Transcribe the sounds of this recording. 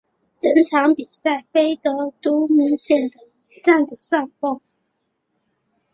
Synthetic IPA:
ʈ͡ʂə˧˥nʈ͡ʂʰɑ˧˥ŋpi˨˩sa˥˩ɪfe˥ɪt̪ɤ˧˥t̪u˥mə˧˥nɕjɛ˥˩nd̪ə˨˩ | ʈ͡ʂa˥˩nd̪ə˨˩sɑ˥˧ŋpo˥˩ŋ

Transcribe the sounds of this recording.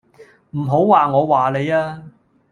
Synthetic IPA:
m̩˨˩ɦo˨˥wwaː˨ŋɔː˨˧waː˨le˨˧jaː˥

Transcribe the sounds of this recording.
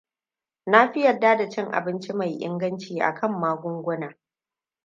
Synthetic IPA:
na˦ɸɪ˦jɐ˨dːaː˦da˨t͡ʃɪ˦ŋʔa̰˨bɪ˦nt͡ʃi˦ma˨jʔɪ̰˦ŋɡɐ˦nt͡ʃiː˨ʔa̰˨kʰɐ˦mːaː˦ɡʷʊ˦ŋɡʷʊ˦naː˨

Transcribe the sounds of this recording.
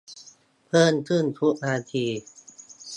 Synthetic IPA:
pʰɤː˥˩nkʰɯ˥˩nt̪ʰu˦˥k̚naː˧t̪ʰiː˧

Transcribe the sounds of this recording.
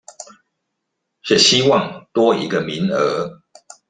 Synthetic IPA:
ʂɻ̩˥˩ɕi˦wɑ˥˨ŋt̪wɔ˦ḭ˨˦ɡə˧˨mi˨˦nə˨˦

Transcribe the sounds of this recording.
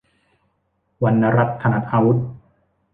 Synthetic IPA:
wa˧nːa˧˥ɾa˦˥t̪̚kʰːa˧na˦t̪̚ʔaː˧wu˦˥t̪̚

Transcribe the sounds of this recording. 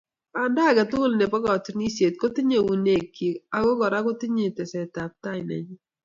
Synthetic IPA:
a˨nda˦˨ɡa˨tʊ˦lnɛ˨pɔ˦ɡɔ˨t͡ʃni˦sje˨t̪̚ko˦t̪ɪ˦ɲe˨wu˨ne˨kːi˨a˨˦ɡɔ˦ɡɔ˨ɾa˦ko˦t̪ɪ˦ɲe˨tɛ˨sɛ˨ta˨p̚ta˦ɪ˨nɛ̰˨ɲ˦

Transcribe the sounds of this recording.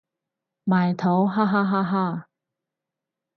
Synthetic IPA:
maː˨˩jt̪ʰo˨˥wɦaː˥ɦaː˥ɦaː˥ɦaː˥˨

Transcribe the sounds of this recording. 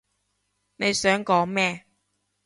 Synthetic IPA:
ne˨˧jsœː˨˥ŋkɔː˨˥ŋmɛː˥˧

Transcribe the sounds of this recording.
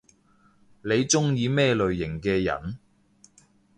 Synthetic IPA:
ne˨˧jt͡sʊ˥ŋjiː˨˧mɛː˥lɵ˨ɥjɪ˨˩ŋkɛː˧jɐ̰˨˩n

